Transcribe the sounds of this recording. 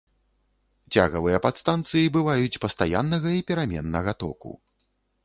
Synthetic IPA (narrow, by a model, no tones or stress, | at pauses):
t͡sʲa̰ɣɐvɨjɐpat̪st̪ant̪sɨjibɨvajut͡sʲpɐst̪aja̰nːɐɣɐipʲɛɾamʲɛnːɐɣɐt̪ɔ̰kṵ